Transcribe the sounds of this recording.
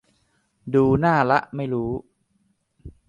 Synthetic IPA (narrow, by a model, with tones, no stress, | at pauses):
duː˧naː˥˩la˦˥ʔma˥˩jɾuː˦˥